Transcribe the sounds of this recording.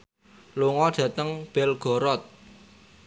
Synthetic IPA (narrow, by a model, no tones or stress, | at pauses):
luŋɔɖ̥ä̤t̪əŋb̥ɛlɡ̥ɔ̤ɾɔt̪̚